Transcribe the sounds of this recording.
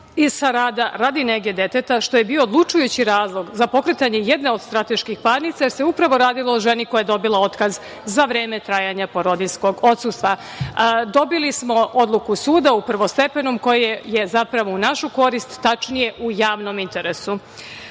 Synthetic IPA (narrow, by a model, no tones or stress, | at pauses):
iz̥saɾaːd̪aɾaːd̪ineɡe̞d̪e̞t̪et̪aʃt̪o̞jebio̞ːd̪lˠut͡ʃujut͡ɕiɾaːzlˠo̞ɡzapo̞kɾet̪aɲe̞jed̪ne̞o̞d̪st̪ɾat̪e̞ʃkixpaːɾnit̪sajeɾseupɾaʋo̞ɾaːd̪ilˠooʒenikojajed̪o̞bilˠao̞t̪kaz | zaʋɾeːmet̪ɾaːjaɲapoɾo̞d̪isko̞ɡo̞t̪sust̪ʋa | d̪o̞bilismo̞o̞d̪lˠukusuːd̪aupr̩ʋo̞st̪e̞pe̞numko̞jeje̞zapɾaʋo̞unaʃuko̞ɾist̪ːat͡ʃnije̞ʔujaːʋno̞mint̪e̞ɾesu